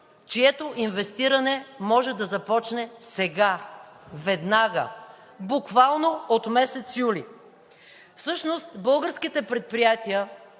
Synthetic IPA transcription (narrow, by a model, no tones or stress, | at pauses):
t͡ʃiɛt̪oʔinvɛst̪iɾɐnɛmɔʒɛd̪ɐzɐpɔt͡ʃnɛsɛɡavɛd̪naɡə̰ | bukvalˠnoot̪mɛsɛt̪sjuli | fsɤʃnost̪bɤlˠɡəɾskit̪ɛpɾɛt̪̚pɾijat̪iə